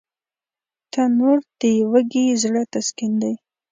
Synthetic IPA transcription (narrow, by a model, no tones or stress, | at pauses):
t̪ʰanoɾd̪̥əjwəɡizɽət̪askind̪aj